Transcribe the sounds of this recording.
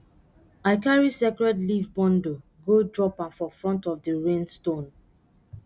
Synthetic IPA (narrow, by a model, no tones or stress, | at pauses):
aɪkaɹisekɹɛdlivbɔ̃ndo | ɡodɹɔpãnfɔfɹɔ̃ntɔvdəɹẽnstõn